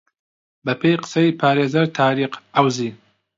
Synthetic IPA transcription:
bɐpʰejqə̥sɐipʰaːɾeːzɐɾt̪ʰaːɾiːqawziː

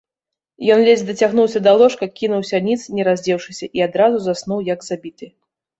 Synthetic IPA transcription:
jɔnlʲezʲd̪ɐt͡sʲaɣnuwsʲɐd̪ɐlˠɔʂkɐkʲinuwsʲɐnʲit̪snʲɛɾazʲd͡zʲɛwʂɨsʲɐʔiad̪ɾazuzasnuwjɐɡzabʲit̪ɨ

